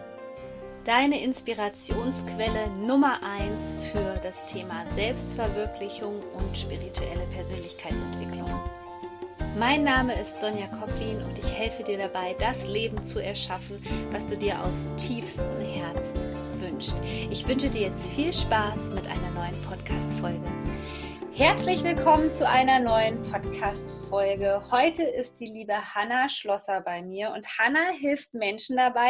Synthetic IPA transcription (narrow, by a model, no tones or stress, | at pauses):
d̥aɪnəʔɪnspiʁat͡sjoːnskv̥ɛlənʊmɐʔaɪnsfyːɐd̥astʰeːmazɛlpstfɛɐvɪɐklɪçʊŋʔʊntʃpiʁitʰuʔɛ̰ləpʰɛɐzøːnlɪçkʰaɪtt͡sɛntv̥ɪklʊŋ | maɪnːaːməɪstz̥ɔnjakʰɔpliːnʊ̰ntɪçhɛlfədiːɐɾabaɪdasleːbm̩t͡suɛɐʃafn̩vasd̥uːdiːɐʔa̰ʊstʰiːfstəm̩hɛɐt͡sn̩ | vʏnʃtʔɪçv̥ʏnʃədiːɐjɛt͡stfiːlʃpaːsmɪtʔa̰ɪnɐnɔʏənpʰɔtkʰaːstfɔlɡə | hɛɐt͡slɪçv̥ɪlkʰɔmənt͡suʔaɪnɐnɔʏənpʰɔtkʰaːstfɔlɡəhɔʏtʰəʔɪst̚d̥iːliːbəhanaʃlɔsɐbaɪmiːɐʔʊ̰nthanaɦɪlftmɛnʃn̩dabaɪ